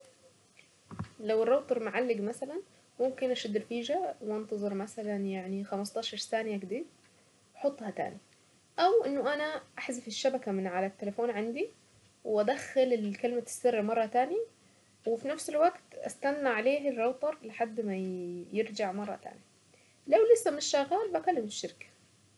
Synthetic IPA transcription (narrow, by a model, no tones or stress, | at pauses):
lawɪrˤːɑwt̪ˤɑɾˤmʊʕalːɪɡmasalan | mʊmkɪnʔaʃad̪ɾfiːʒawʔɑnt̪ɑzˤɨɾmasalanjaʕnixamɑst̪ˤɑːʃɑɾˤsaːnɪjaɡɪd̪iːd | wħot̪ˤːhɑt̪a̰ːni | ʔawʔɪnːʊʔanaʔaħzafɪʃːabakamɪnʕalat̪ːelafoːnʕand̪i | wʔad̪axːalɪkɪlɪmasːɪrːmɑrˤːɑt̪aːnja | wɪfinafsɪlwaɡt̪ʔa̰st̪anːaʕaleːhɪrːɑwt̪ˤɑɾˤlɪħad̪ːmajɪɾd͡ʒaʕmɑrˤːɑ̰t̪a̰ːnja | lawlɪsːamɪnɪʃːaɣːaːlbakalːɪmɪʃːɪɾkḁ